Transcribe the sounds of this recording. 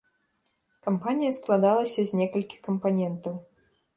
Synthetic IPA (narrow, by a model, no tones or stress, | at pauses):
kɐmpanʲijɐsklˠad̪alˠɐsʲɐzʲnʲɛkɐlʲkʲi̥kɐmpanʲɛnt̪ɐw